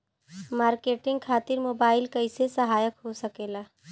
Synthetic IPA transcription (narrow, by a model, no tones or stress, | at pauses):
maːɾkeːʈɪ̃ŋɡ̚kʰaːt̪ɪɾmoːbaːɪlkɐɪsesɐɦaːjəkɦosɐkeːlaː